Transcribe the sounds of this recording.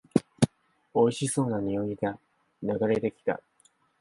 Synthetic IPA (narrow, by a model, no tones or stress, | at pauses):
o̞iɕiso̞ːnaɲ̟io̞iɡa | naɡaɾe̞t̪e̞kʲi̥t̪a̰